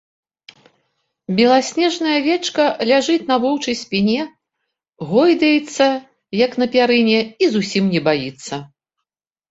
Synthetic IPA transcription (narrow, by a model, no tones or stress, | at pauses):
bʲɛlˠasʲnʲɛʐnɐjɐvʲɛt͡ʂkɐlʲaʐɨt̪ʲn̪ɐvɨwt͡ʂɐjsʲpʲinʲɛ | ɣɔjd̪ɐjɛt̪sːɐ | jɐkn̪ɐpʲaɾɨnʲɛizusʲimnʲɛbajit̪sːɐ